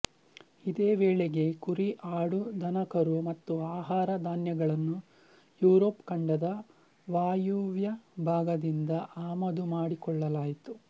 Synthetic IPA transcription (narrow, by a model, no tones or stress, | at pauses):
id̪eːʋeːɭeɡe̞kuɾiʔaːɽud̪ʱɐnɐkɐɾumɐt̪ːuaːɦaːɾɐd̪aːnjɐɡɐɭɐnːu | juːɾoːpkɐɳɖɐd̪ɐ | ʋaːjuːʋjɐbʱaːɡɐd̪ind̪ɐʔaːmɐd̪umaːɽikɔɭːɐlaːjit̪u